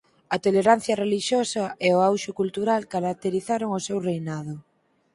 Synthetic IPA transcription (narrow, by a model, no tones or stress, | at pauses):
ɐt̪oleɾan̟θjɐreliʃjosɐʔeoawʃʊkult̪uɾalkaɾak̚t̪eɾiθaɾoŋosewrejnað̞ʊ